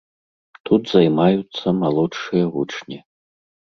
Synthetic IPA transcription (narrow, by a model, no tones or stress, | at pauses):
t̪ʰut̪ʰzajmajut̪sʰɐmalˠoʂɨjɐvuʈ͡ʂʰnʲi